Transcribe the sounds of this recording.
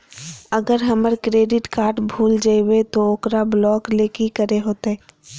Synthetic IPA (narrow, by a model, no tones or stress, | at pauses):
əɡəɾɦɐməɾkɾeːɖɪʈkaːɾʈbʱuːld͡ʒaiwet̪ooːkɾablɔːkleːkikəɾeɦoːt̪ɛː